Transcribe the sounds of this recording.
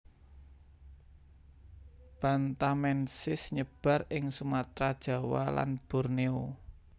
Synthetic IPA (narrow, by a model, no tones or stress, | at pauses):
b̥ant̪amɛnsɪsɲəb̥a̤rɪŋsumat̪ɾad̥ʒ̥ä̤wa̰la̰nb̥ɔ̤rneo